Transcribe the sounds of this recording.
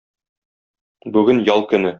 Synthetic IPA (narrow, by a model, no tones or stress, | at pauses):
bʉɡɘnjɒlˠkɵ̆nɘ